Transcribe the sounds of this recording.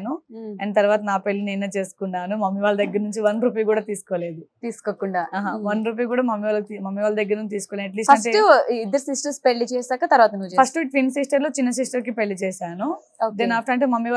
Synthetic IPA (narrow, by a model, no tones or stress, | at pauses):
nuɐɳt̪ɐɾʋaːt̪ɐnaːpeɭːineːneːt͡ʃe̞ːsu̥kunːaːnumɐmːiʋaːlɐd̪ɐɡːɐɾɐnuɲt͡ʃiʋɐnɾuːpɐjkuːɽaːt̪iːsu̥koːleːd̪ut̪iːsu̥kokːuɳɖaːaːɦaʋɐnɾuːp̬ɐjkuːɽaːmɐmːiʋaːlɐt̪imɐmːiʋaːlːɐd̪ɐɡːɐɾnũɲt͡ʃit̪iːsu̥koːleːnɐʈ̬liːspʰɐɳsʈeːʈid̪ːɐɾusisʈɐɾspeɭːit͡ʃɛːsaːkat̪ɐɾʋaːt̪ɐnuʋt͡ʃʰɐsʈuʈʋinsisʈɐɾloːt͡ʃinːɐs̬isʈɐɾk̬ipeɭːit͡ʃɛːʃaːnu | oːkd̪enaːp̚ʈɐɐɳʈeːmɐmːiʋa